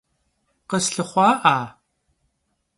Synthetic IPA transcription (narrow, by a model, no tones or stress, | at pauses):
qəsɬɨχʷɑːʔaː